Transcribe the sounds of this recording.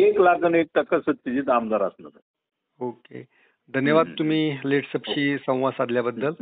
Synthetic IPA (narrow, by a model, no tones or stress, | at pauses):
eklakənek̚t̪əkːəsət̪ːid͡ʑiːt̪amd̪aɾasnə̰ɾ | okḛ | d̪ʱənjəʋad̪̚t̪um̤iːleʈsəpɕiːsə̃w̃ʋasad̪ljabəd̪ːəl